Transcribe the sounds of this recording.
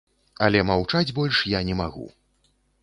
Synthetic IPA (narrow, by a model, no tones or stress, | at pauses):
ɐlʲɛmawt͡ʂad͡zʲbɔlʲʂjanʲɛmaɣṵ